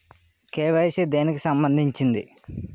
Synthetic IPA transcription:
keːʋɐjsed̪eːnikisɐmbɐnd̪ʱiɲt͡ʃind̪ḭ

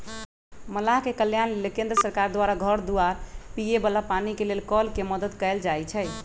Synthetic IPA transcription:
məlaɦkekəljanlelekẽnd̪ɾəsəɾkaɾd̪waɾaɡʱəɾd̪uaɾpijebəlapanikelelkɔlkeməd̪əd̪kəld͡ʒajt͡ʃʰɛ

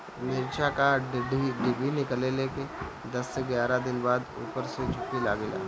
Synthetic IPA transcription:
nɪɾt͡ʃakaɖɖiɖɪbinɪkəleleke | d̪ɐsːeɡjaːɾad̪ɪnbaːd̪ṵːpəɾsed͡ʒʱʊkilaːɡela̰ː

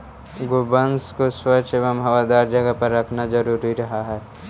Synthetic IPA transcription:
ɡobənskoswɐt͡ʃʰeʋəmɦɐʋad̪aːɾd͡ʒɐɡəpɐɾːɐkʰnad͡ʒɐɾuːɾiɾɐɦaɦɛː

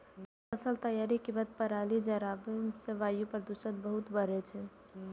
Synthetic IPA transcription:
əsəlt̪əjaɾikibəd̪̚pəɾalid͡ʒəɾabeseʋajũpəɾd̪uʃə̃t̪̚bəɦʊt̪bəɾɛt͡ʃʰɛ

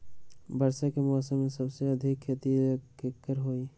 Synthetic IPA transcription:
bəɾsakemɔːsəmːẽsəbseɐd̪ʱɪkʰːet̪ikekːəɾɦoi

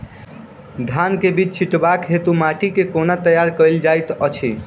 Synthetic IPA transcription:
d̪ʱankebit͡ʃt͡ʃʰiʈbakɦet̪umaʈikekonat̪əjaɾkəjld͡ʒajt̪ət͡ʃʰi

